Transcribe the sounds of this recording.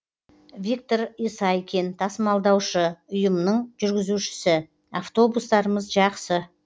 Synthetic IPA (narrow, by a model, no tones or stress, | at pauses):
vʲik̚t̪o̞ɾijsɑjekʲe̞nt̪ʰɑsəmɑlˠd̪ɑwʃəʊjəmnəɴʒʏɾɡʲɪzuʃɪ̥sɪ | aft̪o̞bust̪ɑɾəməzʒɑqsə